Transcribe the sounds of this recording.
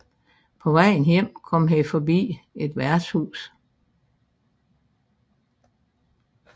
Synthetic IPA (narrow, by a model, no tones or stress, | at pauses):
pʰɒ̽ʋɑɪn̩jem̰kʰɒ̽m̰ɦefɒbḭːe̝d̥ʋæɐd̥shṵːs